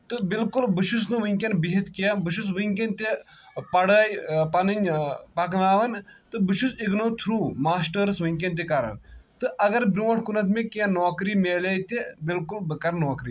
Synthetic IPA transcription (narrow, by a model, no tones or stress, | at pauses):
t̪ɨbɪlkulbɨʃusnɨʋiŋʲkʲɐnbiɦit̪kiabɨʃ̬usʋiŋkʲɐnt̪e | pɐɽəːjpɐnɨnʲpɐklaːʋɐnt̪ɨbɨʃusiɡnoːt̪ʰɾuːmaːsʈəɾsʋiŋʲk̬ʲɐnt̪̬ekaɾɐ̰nt̪ɨʔɐɡɐɾbɾuːɐʈʰkunɐt̪ʰmẽkãnoːkɾiːmeːlaːjt̪ebɪlkulbɨkɐɾnoːkɾiː